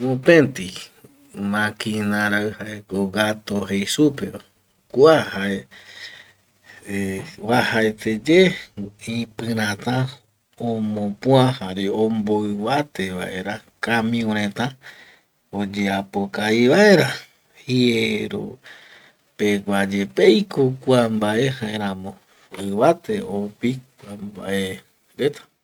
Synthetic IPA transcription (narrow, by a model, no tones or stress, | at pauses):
õpẽnt̪i | mãkinãɾaɨhaekoɡat̪oɦejsupeo | kuahae | βahaet̪ed͡ʒeĩpɨ̃ɾ̃ãt̪ã | õmõpũãhaɾeomboɨβat̪eβa̰ʔeɾakãmĩõɾ̃ẽt̪ã | od͡ʒeapokaiβaeɾa | hieɾo̰ | peɡʷad͡ʒepejkʰokʷambaʔe̞haẽɾãmõ | ɨβat̪e̞opik̚ʷambaʔe | ɾet̪ḁ